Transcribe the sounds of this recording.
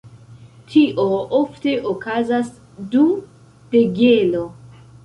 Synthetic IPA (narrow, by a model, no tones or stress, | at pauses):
tʰiʔoofte̞ʔokazas | du | d̥e̞ɡelo̞